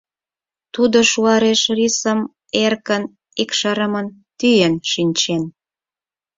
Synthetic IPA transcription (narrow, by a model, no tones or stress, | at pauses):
t̪ud̪oʃuɑɾeʃrisə̆m | erkən | ikʃəɾəmənt̪yjenʃinʲt͡ɕen